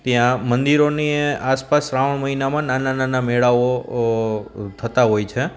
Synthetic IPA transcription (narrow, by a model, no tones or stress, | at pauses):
t̪jãmənd̪iɾoniaspasɾaʋəɳməɦinamãnanananamɛɭaʋo | t̪ʰət̪aɦojt͡ʃʰe